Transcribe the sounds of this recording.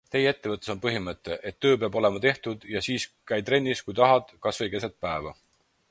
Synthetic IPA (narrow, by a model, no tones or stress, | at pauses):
t̪e̞jee̞t̪ːe̞vɤt̪ːˑeso̞npɤɦimɤt̪ːˑe̞ʔet̪ːø̞ːpeɑbo̞le̞mɑt̪e̞ht̪ud̪̥jɑsiːskæjt̪ɾe̞nʲːiskujt̪ɑɦɑd̪̥kɑsvɤjke̞set̪̚pæevɑ